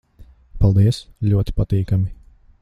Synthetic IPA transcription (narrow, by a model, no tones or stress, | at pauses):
palˠd̪iɛsʎʲuɔt̪i̥pat̪iːkamʲi